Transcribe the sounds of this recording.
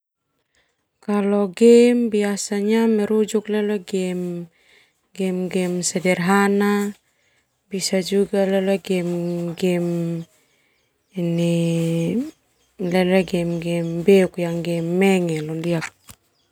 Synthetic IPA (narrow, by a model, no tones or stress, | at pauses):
kaloɡembiasaɲameɾud͡ʒukleloɡem | ɡemɡemsedeɾɦana | bisad͡ʒuɡaleleɡemɡem | ni | leleɡemɡembeukjaŋɡemːeŋelondiak̚